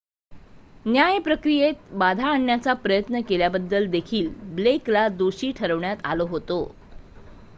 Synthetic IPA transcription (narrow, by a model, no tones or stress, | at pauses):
njajpɾəkɾijet̪̚bad̪ʱaːɳjat͡sapɾəjət̪nəkeljabəd̪ːəld̪ekʰiːlbleklad̪uɕiːʈʰəɾəʋɳjat̪a̰loɦot̪o